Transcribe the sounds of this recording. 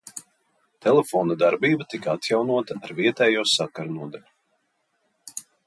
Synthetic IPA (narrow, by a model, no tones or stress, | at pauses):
t̪ʰɛlefɔːnad̪aɾbiːbat̪ikaat̪jawnuɔt̪aːɾviɛt̪ɛːjuɔsakaɾunuɔd̪alʲu